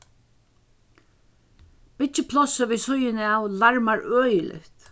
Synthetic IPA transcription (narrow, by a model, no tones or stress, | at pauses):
b̥ɪt͡ʃɪpʰlɔsəʋiːsʊjɪnɪawlaɹmaɹœːjɪlʔɪ̰ht̪